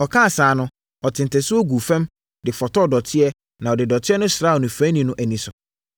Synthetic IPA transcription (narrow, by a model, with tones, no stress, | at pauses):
ɔ˨kʰãː˦˨saː˨nʊ̃˦ | ɔ˨tʰɪ̃˨n˨tʰɛ˨sʊ˦ɔ˦ɡu˨fɛ̃˦m | dɪ˨fɔ˨tɔ˦˨dɔ˨tʰɪ˦ɛ˦ | nã˨ɔ˨dɪ˨dɔ˨tʰɪ˦ɛ˦nʊ̃˦sɾaː˦ɔ˨nũ˨fæ̃˦nĩ˨nʊ̃˦ʔæ˨nĩ˨sʊ˨